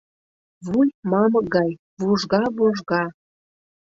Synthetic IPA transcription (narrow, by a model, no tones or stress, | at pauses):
βujmɑmɤɡɑj | vuʒɣɑβuʒɣɑ